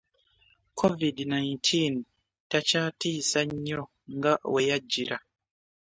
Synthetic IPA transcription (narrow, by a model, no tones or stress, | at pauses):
kʰɔvidnaintʰin | tat͡ʃatisaɲɔ | ŋɡawɛjad͡ʒiɾa